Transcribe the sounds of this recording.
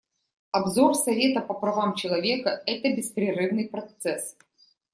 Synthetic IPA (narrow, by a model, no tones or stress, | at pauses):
ɐbzorsɐvʲe̞t̪əpəpɾɐvamt͡ɕɪlˠɐvʲe̞kəɛt̪əbʲɪspɾʲɪrɨvnɨjpɾɐt̪sɛs